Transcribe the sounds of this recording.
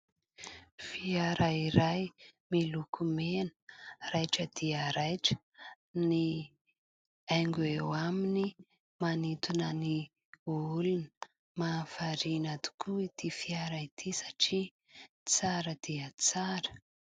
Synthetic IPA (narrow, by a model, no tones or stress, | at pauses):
fiaɾaiɾajmilukʰumenə̥rajʈ͡ʂəd̪̥iəɾajʈ͡ʂə̥ | ni | ajŋɡuewamini | manit̪unəni | ulunə | mafaɾinat̪u̥kʰuit̪ifiaɾait̪ʰisḁʈ͡ʂi | t͡saɾəd̪̥iət͡saɾə̥